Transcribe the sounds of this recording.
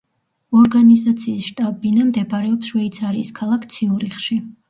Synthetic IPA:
ɔɾɡanizat̪sʰiːsʃt̪ʼabinamd̪ɛbɾɛɔpsʃwɛit̪sʰaɾiːskʰalˠakʰt̪sʰiuɾiχʃi

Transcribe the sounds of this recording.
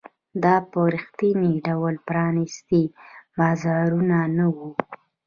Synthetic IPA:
d̪ɑpəɾixt̪iniɖawlpɾɑnist̪ibɑzɑɾunanawu

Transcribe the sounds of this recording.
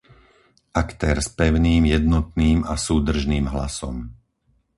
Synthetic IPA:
ʔakt̪ɛːɾspɛʊniːmjɛd̪nɔt̪niːmasuːd̪r̩ʒniːmɦla̰sɔ̰m

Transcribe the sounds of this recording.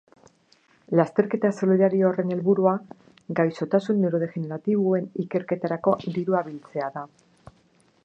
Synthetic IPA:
last̪e̞ɾke̞t̪asoloðaɾioːre̞ne̞lβuɾua | ɡajso̞t̪asunːeɾo̞ð̞e̞xe̞ne̞ɾat̪iβue̞nike̞ɾke̞t̪aɾako̞d̪iɾuaβilt͡se̞aða

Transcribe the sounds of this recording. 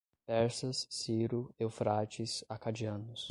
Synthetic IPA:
pɛɾsɐssːiɾʊewfɾat͡ʃɪsakad͡ʒiɐ̃nʊs

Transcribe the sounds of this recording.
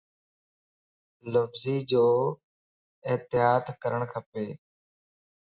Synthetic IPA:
ləbziːd͡ʑoː | ɪt̪ɪɦaːd̪kəɾəɳ̃kʰəpeː

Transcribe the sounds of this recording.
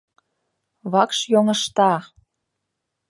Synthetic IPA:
βɑkʃjoŋə̆ʃt̪ɑ

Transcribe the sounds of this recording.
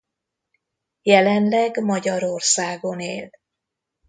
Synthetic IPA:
jɛlɛnlɛɡmɒɟɒɾorsaːɡo̞neːl

